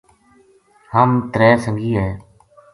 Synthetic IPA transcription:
həmt̪ɾɛːsəŋɡiːɦɛː

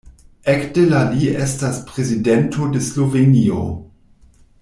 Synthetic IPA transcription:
ekdelaliestaspʁezidentʰodeslovenio̰

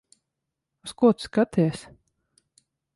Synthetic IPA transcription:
uskuɔt̪skat̪ʰiːsʲ

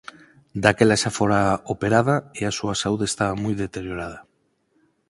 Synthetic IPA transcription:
d̪akelaʃafoɾaopeɾaðaeasuasauðeːst̪aβamujðet̪eɾjoɾaða

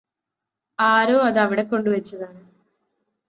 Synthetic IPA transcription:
aːɾoːɐðɐʋiɽe̞kːo̞ɳɖɨʋɐt͡ɕːɐðaːɳɨ

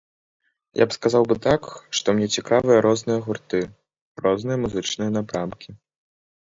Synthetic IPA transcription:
jʔa̰pskazawbɨt̪akʂt̪ɔmnʲɛt͡sʲikavɨjɐɾʔɔznɨjɐɣurt̪ɨ | rɔznɨjɐmuzɨt͡ʂnɨjɐn̪apɾamkʲi

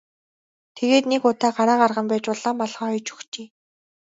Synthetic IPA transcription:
t̪ʰeɣeːt̪nekʊt̪ʰaːɢaɾaːɢarʁə̆mpæːt͡ɕpʊɮaːmːɔɮχɔːɔjt͡ɕɵ̥xt͡ɕeː

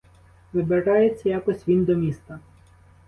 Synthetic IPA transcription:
ʋɪbeɾɑjet͡sʲːɐjakɔsʲʋʲind̪ɔmʲist̪ɐ

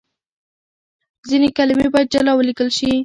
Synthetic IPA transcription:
zinekalɪmebɑjad̪̚d͡ʒalawəlikəlʃi

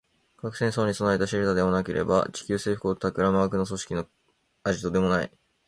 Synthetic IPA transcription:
kakɯ̟̥sẽ̞ɰ̃so̞ːɲ̟iso̞naet̪aɕiɾɯt̪ad̪e̞manake̞ɾʔe̞̰ba̰t͡ɕi̥kʲɨːse̞ːɸ̟kɯot̪akɯ̟ɾamaːkɯ̟no̞s̬o̞ɕi̥kʲino̞ | aʑit̪o̞d̪e̞mo̞naḭ

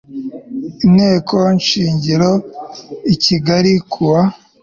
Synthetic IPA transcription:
inhe̞ːkʰonʃiːɲɟiɾo | iciɡaɾikʰuwa

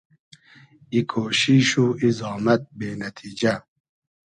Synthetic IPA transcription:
ikʰoːʃiʃuːizɑːmat̪̚beːnɐt̪ʰiːd͡ʒa

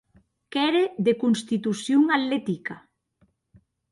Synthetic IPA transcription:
kɛɾeðekunst̪it̪usjuŋalɛt̪ika

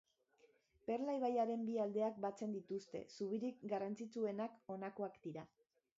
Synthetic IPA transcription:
pe̞ɾlajβajaɾe̞mbiald̪e̞ak̚bat͡se̞nd̪it̪ust̪e̞̰suβ̞iɾik̚ɡarant͡sit͡sue̞nako̞nako̞akd̪̥iɾa

